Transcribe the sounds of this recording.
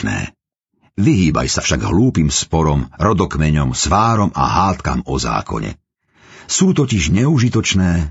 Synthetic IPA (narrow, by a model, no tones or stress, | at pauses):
nɛ̰ː | ʋiɦiːba̰jsafʃaɡɦluːpimspɔɾɔmɾɔd̪ɔkmɛɲɔmsʋaːɾɔma̰ɦaːt̪ka̰mɔza̰ːkʰɔ̰ɲɛ̰ | suːt̪ɔciʒɲɛuʒit̪ɔt͡ʃnɛː